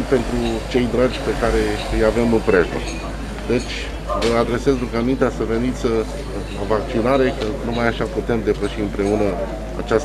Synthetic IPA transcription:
pe̞nt̪ɾut͡ʃe̞jd̪ɾad͡ʒʲpe̞kaɾe̞ɨjave̞mɨmpɾeʒə̰ | d̪̥e̞t͡ʃʲ | vəad̪ɾe̞sezɾukanuint̪easəve̞nit̪sʲ | lavak̚t͡ʃinaɾe̞kənumajaʃaput̪e̞md̪e̞pəʃiɨmpɾe̞unə | a̰t͡ʃas

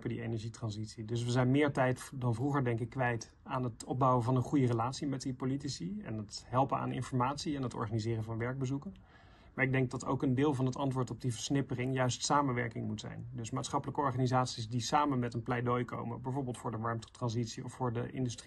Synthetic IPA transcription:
pədiejnɛɹʒitrɑnzitsidɵs̬ʋəzɛjnmɪːɹtɛjtdɑnvruχəɹdɛŋkɪkːʋɛjt | aːnɦətɔb̚bɑwəvɑnənχujərəlaːtsimɛt̚dipolitisiɛ̰nətɦɛlˠpəna̰ːnɪ̰nfɔɹmaːtsiɛnɦətɔ̰ɹχaːnizɪːrənvɑnʋɛɹɡ̚bəzukən | maːɹɪɡ̚dɛŋɡ̚dɑto̰wkəndɪːlˠvɑnɦətɑntʋʊːɹtɔb̚divəɹsnɪpərɪŋjœɥstsaːmənʋɛ̰ɹkɪŋmutsɛ̰jndɵsmaːtsχɑpələkəɔɹχaːnizaːtsisdisaːmənmɛtənplɛjdojko̰wmə̰nbɛjvoɹbɪlˠtfʊːɹdəʋɑɹmttrɑnzitsiɔfʊːɹdə̰ʔɪ̰ndyst

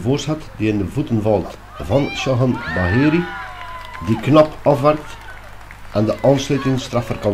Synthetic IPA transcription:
voːrshatdiɪndəvutənvɑlˠt | vɑnʃɔɦənbaɦiːɾi | diknɔpɔfʋɛrk̚t | ʔandəʔɑnslœtɪŋst̪rafərkɔ

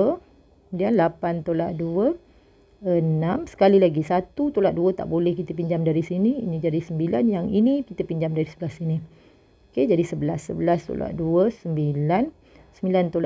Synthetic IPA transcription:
ə | kəmudianlapant̪olaʔduə | ənãmsə̥kalilaɡisat̪ut̪olaʔ̚duət̪a̰ʔbolɛhkit̪əp̬iɲd͡ʒamdaɾisiniinid͡ʒadisəmbilanjaŋinikit̪əpiɲd͡ʒamdaɾisəbəlasini | oked͡ʒadisəbəlasːə̰bəlast̪o̰la̰ʔduəsəmbilan | səmbilant̪ola

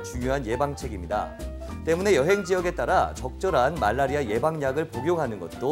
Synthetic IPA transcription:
t͡ɕuŋjoɦanje̞baŋt͡ɕʰe̞ɡimɲida̰ | t͈e̞mune̞jʌɦe̞ŋd͡ʑiʌɡe̞t͈aɾat͡ɕʌk̚t͡ɕ͈ʌɾanma̰ɭːaɾiaje̞baŋɲaɡɯɭpoɡjoŋɦanɯnɡʌt̚t͈o

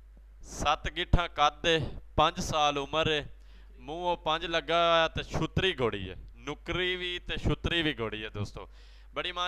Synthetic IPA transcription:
sət̪ɡɪʈʰãːkəd̪eːpə̃ɲd͡ʒsaːlʊməɾeː | mũːoːpəɲd͡ʒləɡaːaːt̪eʃʰʊt̪ɾiːɡʱoːɽḭːɦḛːnʊkɾiːʋiːt̪eːʃʰʊt̪ɾiːʋʱiːɡʱoːɽiːɦeːd̪oːst̪o̰ː | ɓəɽiːmãː

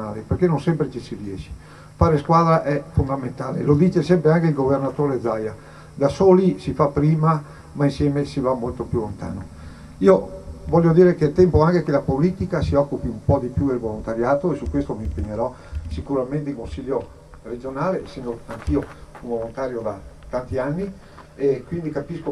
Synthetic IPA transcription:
naːleperkenõnsɛmpɾet͡ʃisiriɛʃi̥ | faːɾeskwaːd̪ɾaʔɛfond̪ament̪aːlḛlod̪iːt͡ʃesɛmpɾeaŋkeilɡovernat̪oːɾed̪zaja | d̪asoːlisifapːɾiːma | mainsjɛːmesivamːolt̪opjulont̪a̰ːno | iːovɔʎːod̪iːɾekelt̪ɛmpoaŋkekelapoliːt̪ikasiɔkːupiumpɔd̪ipjud̪elvolont̪aɾjaːt̪oesukwest̪omimpeɲːeɾɔ | sikuɾament̪eilkonsiʎːo | red͡ʒonaːlesːɛnd̪oaŋk̟iounvolont̪aːɾjod̪at̪ant̪ianːi | ekwind̪ikapisko

